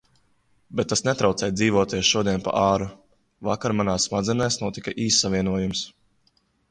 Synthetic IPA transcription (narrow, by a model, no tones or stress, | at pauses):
bɛt̪̚ːasnɛt̪ɾawt̪sɛːjd̪ziːvɔɔt̪iɛsʃuɔd̪iɛnpa̰ʔaːɾu | vakaɾmanaːsːmad̪zʲɛnɛjsnuɔt̪ikaʔiːsːavʲiɛnuɔjums